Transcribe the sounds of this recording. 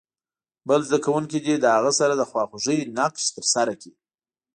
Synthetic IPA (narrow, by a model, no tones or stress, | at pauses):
bəlzd̪akawuŋkid̪id̪əhaɣasaɾad̪əxwɑxoʐəjinaqʃt̪əɾsaɾaki